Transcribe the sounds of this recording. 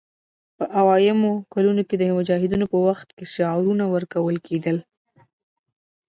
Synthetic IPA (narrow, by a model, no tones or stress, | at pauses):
pəʔawɑjɪmokalunoked̪əmʊd͡ʒɑhɪd̪unopəwaxt̪keʃɑɾunawəɾkawəlkʰed̪əl